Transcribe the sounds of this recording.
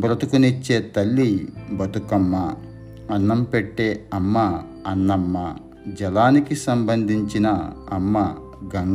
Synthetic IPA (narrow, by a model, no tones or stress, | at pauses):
bɾɐt̪ukunit͡ʃːeːt̪ɐlːibɐt̪ukɐmːɐː | nːɐmpeʈːe̞ːɐmːɐː | nːɐmːɐ | d͡ʒɛlaːnikisɐmbɐnd̪ʱiɲt͡ʃinɐːmːɐ | ɡɐŋ